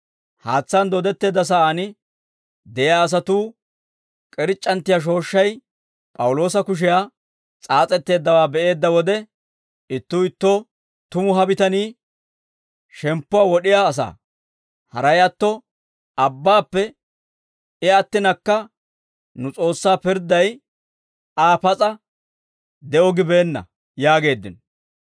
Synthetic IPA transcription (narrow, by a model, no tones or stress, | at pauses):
haːt͡sːɐnd̪ɔd̪ɛt̪ːe̞ːd̪ːɐs̬aːɐnɪ | d̪ɛjaːs̬ɐt̪uː | kʼɛɾɪt͡ʃʼːɐnt̪ːɪjaʃ̬o̞ːʃːɐj | pʼɐwʊlo̞ːsɐkʊʃ̬ɛjaː | t͡sʼaːt͡sʼɛt̪ːe̞ːd̪ːɐwaːbɛʔe̞ːd̪ːɐwɔd̪ɛ | ɪt̪ːuːɪt̪ːɔ | t̪ʊmʊɦɐbɪt̪ɐniː | ʃɛmpːʊwaːwɔɗɪjaːs̬a̰ː | hɐ̰ɾɐjɐt̪ːɔ | ɐbːaːpːɛ | ɪɐt̪ːɪnɐkːɐ | nʊt͡sʼo̞ːsːaːpɪɾd̪ɐj | aːpɐt͡sʼɐ | d̪ɛɔɡɪbe̞ːnːɐ̰ | jaːɡe̞ːd̪ːɪnɔ